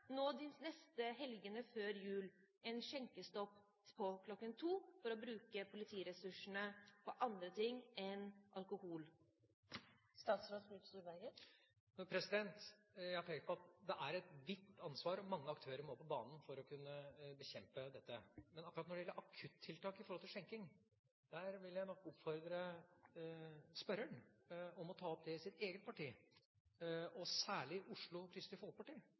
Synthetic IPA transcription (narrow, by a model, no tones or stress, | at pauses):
noːd̪ɪsnɛst̪əɦɛlɡənəføːɾjʉːl | ɛnʃɛŋkəst̪ɔpː | pʰɔkʰlɔkːənt̪ʰuːfɔɾɔbɾʉːkəpʰʊlɪt̪ʰiːɾɛsʉʂəɳəpʰɔʔɑnd̪ɾət̪ʰɪŋːɛnʔɑlkʊhuːl | st̪ɑːt̪sɾoːd̪sʉt̪st̪uːɾʋæɾɡə | nɔpʰɾɛsɪd̪ɛnt̪jæhɑʈ̪ʰɛŋkt̪pʰɔɑt̪̚d̪ɛʔæɾɛt̪ʋɪt̪ːɑnsʋɑːɾɔmɑŋːəɑkt̪ʰøːɾəɾmoːpʰɔbɑːnn̩fɔɾɔkʰʉnːəbəçɛmpəd̪ɛt̪ːəmɛnɑkːɾɑt̪nɔɖɛjɛlːəɾʔɑkʰʉt̪ʰːɪlt̪ɑːkɪfɔɾhɔlt̪ʰɪlʂɛŋkɪŋ | d̪̥æːɾʋɪljæɪnɔkːɔpfɔɾd̪ɾə | spœɾəɳɔmɔt̪ʰɑːɔp̚d̪ɛɪsɪt̪eːɡət̪̚pɑʈiː | ɔsæːɭɪʊʂɭʊkʰɾɪst̪ɪfɔl̚pʰɑʈiː